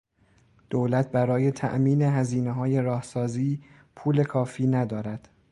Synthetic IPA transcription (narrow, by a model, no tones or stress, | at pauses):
d̪̥oːlæt̪̚ʰbæɾɒːje̞t̪ʰæ̰ʔmiːne̞ɦæziːneɦɒːje̞ɾɒːhsɒːziː | pʰuːle̞kʰɒːfiːnæd̪ɒːɾæd̪̥